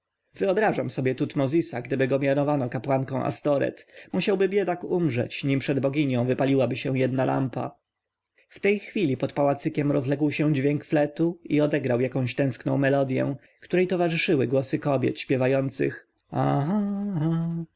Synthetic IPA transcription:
v̥ɘɔbɾaʐamsɔbʲjɛt̪ut̪mɔzʲisaɡd̪ɘbɘɡɔmʲjanɔvanɔkapwaŋkɔ̃w̃ʔa̰st̪ɔɾɛ̰t̪muɕawbɘbʲjɛd̪akumʐɛ̰t͡ɕɲimpʂɛd̪bɔɡʲiɲɔ̃w̃vɘpalʲiwabɘɕɛw̃jɛd̪nalʔa̰mpa̰ | ft̪ɛjxfʲilʲipɔt̪pawat̪sɘkʲɛmɾɔzlɛɡwɕɛ̃d͡ʑvʲjɛŋkflɛt̪uiɔd̪ɛɡɾawjakɔ̃ɕt̪ɛ̃w̃sknɔ̃w̃mɛlɔd̪jɛ̰̃ | kt̪uɾɛjt̪ɔvaʐɘʂɘwɘɡwɔsɘkɔbʲjɛ̰t̪ɕpʲjɛvajɔnt̪sɘ̰x | aɦaɦa

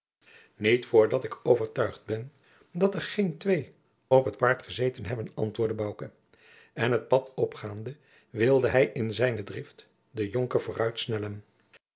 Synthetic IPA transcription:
nitfʊːɹdɑtɪkowvəɹtœɥχd̚bɛn | dɑtəɹχejntʋej | opɦətpaːɹtχəzejtənɦɛbənɑ̰ntʋʊːɹdəbɑwkə | ɛnɦət̚pɑtɔpχaːndə | ʋɪlˠdəɦɛjʔɪnzɛjnədrɪft | dəjoŋkəɹv̥ʊːrœɥtsnɛlən

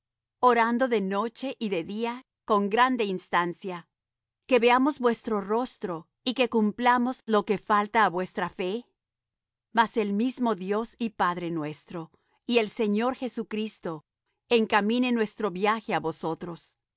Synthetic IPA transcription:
o̞ɾand̪o̞ðe̞no̞t͡ʃe̞ʔiðe̞ðia | ko̞ŋɡɾand̪e̞inst̪ansja | ke̞βe̞amo̞zβwe̞st̪ɾo̞ro̞st̪ɾo̞ | ike̞kumplamo̞zlo̞ke̞falt̪aːβwe̞st̪ɾafe̞ | mase̞lmizmo̞ðjo̞sipaðɾe̞nwe̞st̪ɾo̞ | ie̞lse̞ɲo̞ɾxe̞sukɾist̪o̞ | e̞ŋkamĩne̞nwe̞st̪ɾo̞βjaxe̞aβo̞so̞t̪ɾo̞s

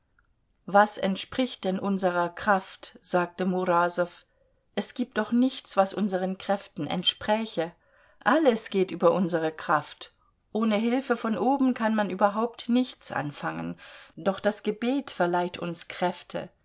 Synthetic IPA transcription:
vasɛ̰ntʃpʁ̥ɪçt̚d̥ɛnʔʊnzəʁɐkʁ̥aftz̥aːk̚təmuʁaːzɔf | ʔɛsɡ̥iːp̚td̥ɔχnɪçt͡sv̥asʔʊnzəʁənkʁ̥ɛftn̩ʔɛ̰ntʃpʁ̥ɛçə | ʔaləsɡ̥eːtʔyːbɐʔʊnzəʁəkʁ̥aft | ʔoːnəɦɪlfəfɔnʔoːbm̩kʰanmanʔyːbɐɦaʊp̚tnɪçt͡sʔa̰nfaŋə̰nd̥ɔχd̥asɡ̥əbeːtfɛɐlaɪtʰʊ̰nskʁ̥ɛftʰə̰

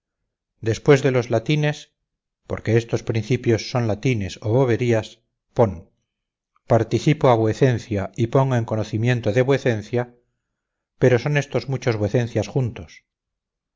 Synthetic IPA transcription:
d̪e̞spwe̞zðe̞lo̞zlat̪ine̞s | po̞ɾke̞est̪o̞spɾĩn̟θipjo̞sːo̞nlat̪ine̞so̞βo̞β̞e̞ɾias | po̞n | paɾt̪iθipoaβweθe̞nθjaipo̞ŋɡoeŋko̞noθimje̞nt̪oðe̞βweθe̞n̟θja | pe̞ɾo̞so̞ne̞st̪o̞zmut͡ʃo̞zβeθe̞n̟θjasxunt̪o̞s

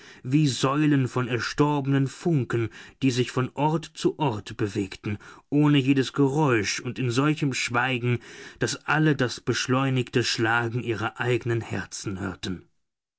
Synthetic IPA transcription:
viːzɔʏlənfɔnɛɐʃtɔɐbənənfʊŋkən̩d̥iːzɪçfɔnʔɔɐtt͡suʔɔɐtb̥əveːktn̩ʔoːnəjeːdəsɡ̥əʁɔʏʃʊntɪnzɔlçəmʃv̥aɪɡŋ̩d̥asʔalədasb̥əʃlɔʏnɪçtəʃlaːɡŋ̩ʔiːʁ̞ɐʔaɪɡənənhɛ̰ɐt͡sn̩hø̰ːɐtn̩

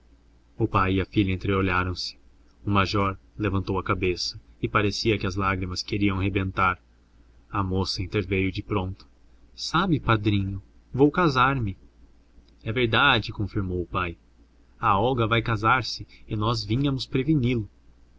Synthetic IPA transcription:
ʊpajɪɐfiʎɐẽnt̪ɾeoʎaɾɐ̃w̃sɪ̥ | ʊmaʒɔɾlevɐ̃nt̪owɐkabesɐɪpaɾesiɐkɪɐzlaɡɾimɐskeɾiɐ̃w̃ɦebẽnt̪aɾ | ɐmosɐĩnt̪eɾvejʊd͡ʒɪpɾõnt̪ʊ̥ | sabɪpad̪ɾĩɲʊ | vowkazaɾmɪ | ɛveɾd̪ad͡ʒɪkõfiɾmowʊpaj | ɐɔɡɐvajkazaɾsɪɪnɔzvĩɲɐmʊspɾevinilʊ

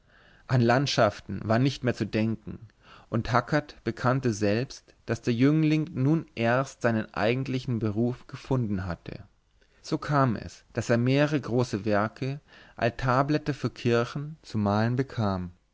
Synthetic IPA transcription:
ʔanlantʃaftn̩vaːɐnɪçtmeːɐt͡sudɛŋkŋ̩ | ʔʊnthakʰɐtb̥əkʰantəzɛlpst | d̥asd̥eːɐjʏŋlɪŋnuːnʔeɐstz̥aɪnənʔa̰ɪɡŋ̩tlɪçn̩bəʁuːfɡ̥əfʊndn̩ɦatʰə̰ | z̥oːkʰaːmɛ̰sd̥aseːɐmeːʁəʁ̞əɡʁoːsəvɛɐkʰəʔa̰lstʰaːblɛtəfyːɐkʰɪɐçn̩t͡sumaːlənbəkʰaːm

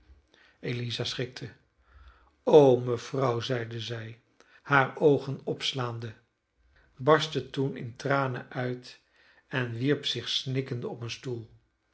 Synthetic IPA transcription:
ejlizasχɪk̚tʰə | owməv̥rɑwzɛjdəzɛj | haːɹowχənɔpslaːndə | bɑɹstətunɪ̰ntraːnəʔœɥt | ɛnʋiɹpsɪχsnɪkəndəɔpənstulˠ

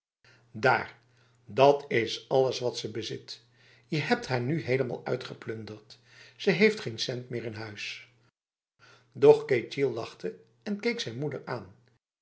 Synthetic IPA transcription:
da̰ːɹ | dɑtɪsɑləsʋɑtsəbəzɪt | jəɦɛp̚tɦaːɹnyɦejləma̰ːlˠœ̰ɥtχəplɵndəɹt | səɦejftχensɛntmɪːɹɪnɦœɥs | dɔχkejtilˠːɑχtə | ɛnkejksɛjnmudəɹaːn

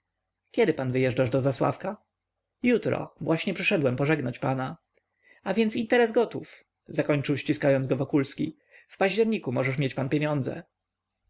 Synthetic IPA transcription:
kʲɛd̪ɘpanvɘjɛʐɖaʐd̪ɔzaswa̰fka | jut̪ɾɔ̰vwʔaɕɲɛpʂɛʂɛd̪wɛmpɔʐɛɡnat͡ɕpana | avʲjɛntsint̪ɛɾɛzɡɔt̪uf | zakɔɲt͡ʂɨwɕt͡ɕiskajɔnzɡɔvɔkulskʲḭ | fpaʑd͡ʑɛɾɲikumɔʐɛʂmʲjɛt͡ɕpanpʲjeɲɔnd̪zɛ̰

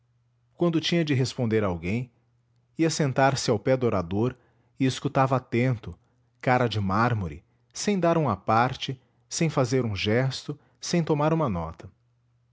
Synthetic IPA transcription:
kwɐ̃nd̪ʊt͡ʃĩɲɐd͡ʒɪɦespõnd̪eɾɐawɡẽj̃ | iɐsẽnt̪aɾsɪawpɛd̪ʊoɾad̪oɾ | ɪeskut̪avɐat̪ẽnt̪ʊ | kaɾɐd͡ʒɪmaɾmoɾɪ̰ | sẽj̃d̪aɾũɐpaɾt͡ʃɪ | sẽj̃fazeɾũʒɛst̪ʊ | sẽj̃t̪omaɾũmɐnɔ̰t̪ɐ

